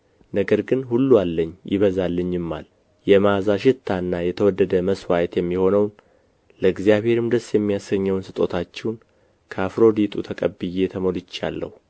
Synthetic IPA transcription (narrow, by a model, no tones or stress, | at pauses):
nəɡəɾɡɨnhulːualːəɲːjɪ̰βəzalːəɲːɨmːa̰l | jɛmazaʃɪt̪ʰːanːajɛt̪ʰəwɔd̪ːəd̪əməswajt̪jɛmːiho̞nəwn | ləɨɡzijaβhe̞ɾɨmd̪əsjɛmːijasɡəɲːɛwnsɨt̪ʼo̞t̪ʰat͡ʃːɛwn | kʰəafɾo̞d̪it̪ʰʼut̪ʰəkʼəbɨjet̪ʰəmolɨt͡ʃːa̰lːə̰hu